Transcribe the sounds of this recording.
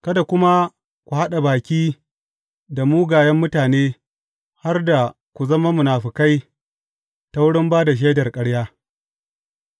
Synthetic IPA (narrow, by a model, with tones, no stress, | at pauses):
kɐ˦da˨kʷʊ˦ma˦ | kʷu˨ha˦ɗa˨baː˨kʲiː˦ | da˨muː˦ɡaː˨jɐ˦mːʊ˦taː˨neː˦ | ha˦rda˨ | kʷu˨zɐ˦ma˦mʊ˨naː˨ɸi˨ka˦j | ta˦wʊ˦ɽɪ˦mbaː˦da˨ʃ̬eː˦dɐ˨rkʼɐ˦ɽjaː˦